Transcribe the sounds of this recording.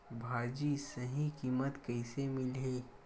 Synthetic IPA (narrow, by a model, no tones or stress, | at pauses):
bʱaːd͡ʒisɐɦikiːmət̪kɐɪsemɪlɦeː